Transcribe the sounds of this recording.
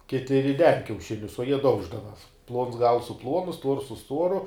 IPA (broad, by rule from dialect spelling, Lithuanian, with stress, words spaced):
ˈkʲɪtʲɪ rʲɪˈdʲɛn kʲɛʊˈʃʲɪnʲʊs oː jiɛ ˈdɐʊʒdɐʋɐ plˠoːns ɡɐlˠs sʊ ˈplˠuɔnʊ stuɔrs sʊ ˈstuɔrʊ